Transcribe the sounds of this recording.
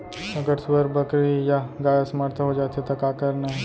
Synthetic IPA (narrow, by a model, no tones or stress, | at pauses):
ɐɡəɾsʊbəɾbɐkɾijaɡaːjasmaɾt̪ʰɦod͡ʒaːt̪et̪okaːkɐɾnaɦɛ